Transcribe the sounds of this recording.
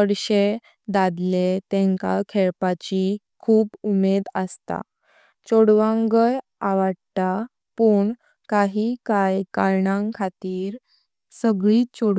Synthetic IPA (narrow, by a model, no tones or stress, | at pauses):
əɽɕe | d̪ad̪let̪ẽŋka̰kʰɛɭpat͡ɕi | kʰuːpumed̪əst̪a̰ | t͡ɕoɽʋãŋɡəjaʋaɽt̪a | pəːɳ | kaɦikajkaɾɳãŋkʰat̪iːɾ | səɡɭiːt͡ɕoɽ